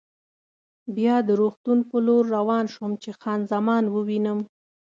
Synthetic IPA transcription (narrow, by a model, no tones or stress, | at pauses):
bjɑd̪əɾoxt̪unpəloɾːawɑnʃumt͡ʃexɑnzamɑnwəwinəm